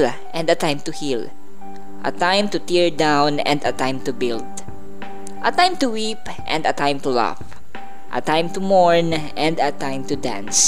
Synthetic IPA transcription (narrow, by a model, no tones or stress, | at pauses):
l | ʔɛ̃nd̪ɐt̪ãjmt̪ʊhil | ʔɐ̰t̪ãjmt̪ʊt̪iɹd̪ãwnɛ̰̃nd̪ɐt̪ãjmt̪ubɪld̪ | ʔɐt̪ãjmt̪uwip | ʔɛ̰̃nd̪ɐt̪ãjmt̪ula̰f | ʔɐ̰t̪ãjmt̪umɔɹn | ɛ̃nd̪ɐt̪ãjmt̪ud̪ã̰ns